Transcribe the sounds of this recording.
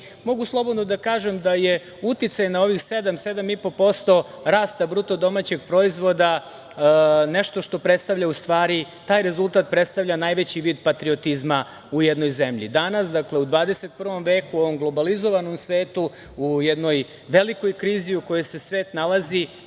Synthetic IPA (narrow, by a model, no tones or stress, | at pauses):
mo̞ɡuslˠo̞bo̞d̪nod̪akaːʒemd̪aje̞ | ut̪it̪sajnao̞ʋixse̞d̪amse̞d̪amipo̞po̞st̪o̞ | ɾaːst̪abɾut̪o̞d̪o̞mat͡ɕe̞ɡ̚pɾo̞izʋo̞d̪a | ne̞ʃt̪o̞ʃt̪o̞pɾet̪st̪aʋʎaust̪ʋaːɾit̪aːjɾezulˠt̪aːt̪̚pɾe̞t̪st̪aʋʎanaːjʋe̞t͡ɕiʋiːd̪pat̪ɾio̞t̪izma | ujed̪no̞jzemʎḭd̪anasd̪akleud̪ʋaːd̪e̞se̞t̪̚pr̩ʋo̞mʋe̞ːkuo̞ʋo̞mɡlˠo̞balizo̞ʋanomsʋe̞ːt̪u | ujed̪no̞j | ʋe̞liko̞jkɾiːziuko̞jese̞sʋe̞ːt̪nalˠazi